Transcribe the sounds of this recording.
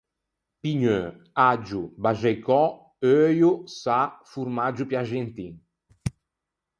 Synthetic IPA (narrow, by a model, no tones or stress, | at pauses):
piɲø | ad͡ʒubaʒɛjkɔ | øːjusafuɾmad͡ʒupjaʒent̪i